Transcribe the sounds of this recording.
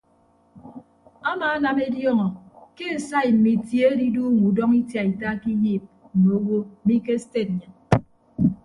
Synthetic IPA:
a˦ma˨a˦na˨me˦djɔ˦ŋɔ˨ke˦e˨sa˦i˨m̩˨mi˨tje˦e˦di˦du˦ŋ̩˨u˨dɔ˦ŋi˦tja˨i˨ta˦ki˦jiː˦˨p̚ | m̩˨me˨o˦wo˦m̩˨mi˦ke˦ste˦˨t̚ɲa˨

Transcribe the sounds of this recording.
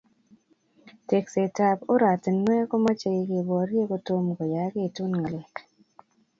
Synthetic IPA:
te˨kse˨ta˨po˦ɾa˨tnwɛ˦kɔ˦ma˦t͡ʃe˨ɪ˨kɪ˨bɔ˨ɾje˦ko˦to˦mɡo˨ja˨˦ɡe˦˨tu˦nŋa˨lɪ˨k

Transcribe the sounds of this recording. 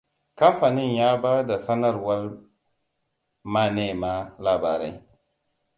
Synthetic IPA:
ka˦mfa˨ni˦˨njaː˦ba˦da˨sa˦na˦ɾwa˦l | ma˦˨ne˦˨ma˦la˨ba̰ː˨ɾa̰˦j

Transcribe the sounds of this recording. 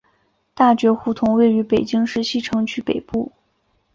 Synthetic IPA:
t̪a˥˩t͡ɕɥɛ˧˥xu˥˩t̪ʰʊ˧˥ŋwe˥˩ɪy˧˥pe˨˩ɪt͡ɕi˥ŋʂɻ̩˥ɕi˥˩ʈ͡ʂʰɤ˧˥ŋt͡ɕʰy˥˩pe˨˩ɪpu˥˩

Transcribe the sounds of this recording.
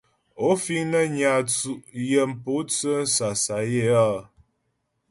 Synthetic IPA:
o˦fi˦ŋnə˦ɲa˨t͡su˨ʔjə˨m̩˨po˦t͡sə˦n̩˦sa˨sa˨je˦a˦˨

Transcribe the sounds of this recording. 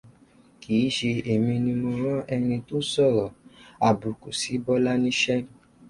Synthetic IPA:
kiː˨˦ʃe˧e˨mĩ˧nĩ˧mõ˧ɾ̃ã˦ʔɛ˧nĩ˧to˦sɔ˦˨ɾɔ˨a˨bu˨ku˨si˨˦bɔ˦la˦nĩ˦ʃɛ˦

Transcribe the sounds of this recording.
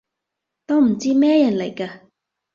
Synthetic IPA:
t̪oː˥m̩˨˩t͡siː˥mɛː˥jɐ˨˩nle˨˩jkaː˧

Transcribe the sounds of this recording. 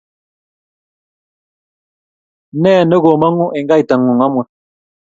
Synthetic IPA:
nɛː˦˨nə˦ɣo˨ma˦ŋo˦ʔe˨ŋ˦ɡa˦i˨ta˨ŋː˨o˨ŋa˦mwə˨

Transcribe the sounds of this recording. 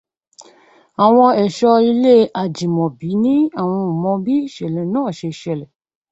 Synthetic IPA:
a˨w̃ɔ̃˧ɛ˨ʃɔ˧i˧le˦ʔa˨d͡ʒĩ˨mɔ̃˨bi˨˦nĩ˦a˦˨w̃ɔ̃˧u˨mɔ̃˧bi˦i˦˨ʃɛ˨lɛ̃˨˦nãː˦˨ʃe˧ʃɛ˧˨lɛ˨

